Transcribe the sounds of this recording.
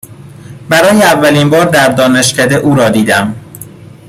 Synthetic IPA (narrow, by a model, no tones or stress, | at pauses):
bæɾɒːjeævːæliːnbɒːɾd̪æɾd̪ɒːne̞ʃcæd̪eʔuːɾɒːd̪iːd̪æm